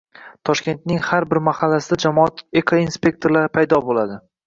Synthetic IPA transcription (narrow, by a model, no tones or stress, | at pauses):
t̪ʰɒʃkʲe̞nt̪nɪŋhaɾbɪɾmahalːasɪd̪ad͡ʒamɒat̪ekʰainspe̞k̚t̪ʰo̞ɾlaɾɪpʰajd̪ɒbolad̪ɪ